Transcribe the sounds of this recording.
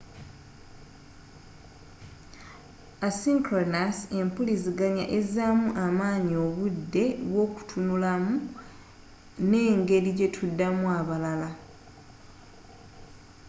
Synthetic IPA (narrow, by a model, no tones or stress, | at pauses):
asiŋkɾonase̞mpuliziɡaɲa̰ʔe̞zamuʔamaːɲio̞βudːe̞wo̞ːku̥tʰunulamu | ne̞ːŋɡe̞ɾiɟe̞tʰudːamuaβalala